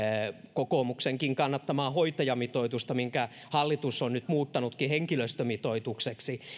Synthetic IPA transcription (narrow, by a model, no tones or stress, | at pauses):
kokomukseŋkiŋkɑnːɑt̪ːɑmɑːhoit̪ɑjɑmit̪oit̪ust̪ɑmiŋkæ | hɑlːit̪usːonnyt̪muːt̪ːɑnut̪kiheŋkiløst̪ømit̪oit̪ukseksi